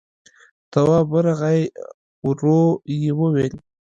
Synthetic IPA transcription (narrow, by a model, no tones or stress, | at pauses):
t̪awɑbəɾaɣaj | ɾojewəwel